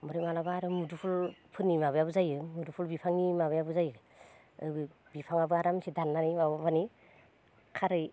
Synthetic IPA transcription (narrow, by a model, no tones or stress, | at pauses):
mɔɾimalabaɾɯmudupʰulpʰɯnːimaβɯjabɯzajɯmudupʰulbipʰaŋnimaβɯjabɯzajɯ | ɯ̰ɯ | bipʰaŋabɯaɾamsidanːanimabapʰani | kʰaɾɯj